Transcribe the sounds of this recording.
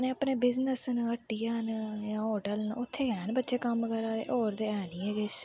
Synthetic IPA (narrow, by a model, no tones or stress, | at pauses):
neːəpneːbɪznəsnəʈːiːjaːnjãːoːʈəlnʊt̪ʰːeːɡɛːnbətːʃeːkəmkəɾaːḛʔoːɾd̪eːɛːnĩːeɡeʃ